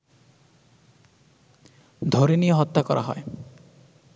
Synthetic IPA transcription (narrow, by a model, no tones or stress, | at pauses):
d̪ʱoɾinijɔɦɔt̪ːakɔɾʔa̰ɦɔe